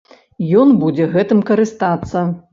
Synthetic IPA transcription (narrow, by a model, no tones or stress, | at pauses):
jɔnbud͡zʲɛɣɛt̪ɨmkɐɾɨst̪at̪sːɐ